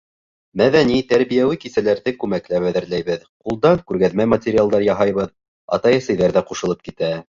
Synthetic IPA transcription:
mæðænit̪æɾβijæwikisælæɾðɘkʉmæklæβæðɘ̆ɾlæjβɘð | qulˠd̪ɑŋkʉɾɣæðmæmat̪ʲeɾʲialˠd̪ɑɾjɑɦɑjβɤð | ɑ̰t̪ɑjæsæjðæɾðæquʃɤ̆lˠɤp̚kit̪æ

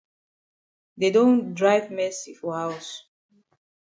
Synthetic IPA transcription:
dedõndɹaɪvmɛsifɔhaws

